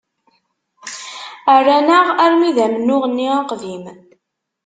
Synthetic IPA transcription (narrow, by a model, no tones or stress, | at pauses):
ərːænəʁæɾmiðæmənːʊʁnːiɑqvim